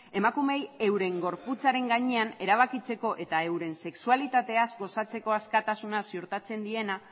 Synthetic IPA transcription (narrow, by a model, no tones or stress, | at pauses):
e̞makume̞je̞wɾe̞ŋɡo̞ɾput͡saɾe̞ŋɡaɲe̞ane̞ɾaβ̞akit͡se̞ko̞ʔe̞t̪ae̞wɾe̞nse̞ksualit̪at̪e̞azɡo̞sat͡se̞ko̞askat̪asunasioɾt̪at͡se̞nd̪ie̞na